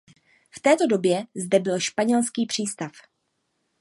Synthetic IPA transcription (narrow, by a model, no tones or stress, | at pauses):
ft̪ɛːt̪o̞do̞bjɛzdɛbɪlʃpaɲɛlskiːpr̥iːst̪af